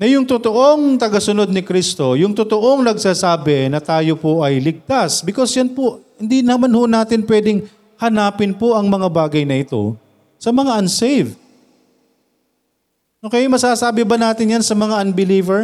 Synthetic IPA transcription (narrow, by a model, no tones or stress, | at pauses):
nɐjʊŋt̪ot̪o̞ʔo̞ŋt̪ɐɡɐsʊno̞d̪̚nɪkɾist̪o̞jʊŋt̪ot̪oʔo̞ŋnɐɡsaːsaːbɛnɐt̪aːjo̞poʔɐjlɪɡ̚t̪asbɪkosjɐnpohɪnd̪inɐmanhonaːt̪ɪnpwɛd̪ɪŋ | hɐnaːpɪnpoʔɐŋmɐŋabaːɡɐjnɐʔɪt̪o̞̰ | sɐmɐŋaʔɐnsejv | ʔoːkɛjmɐsaːsaːbɪbɐnaːt̪ɪnjansɐmɐŋaʔɐnbɪliːvɛɹ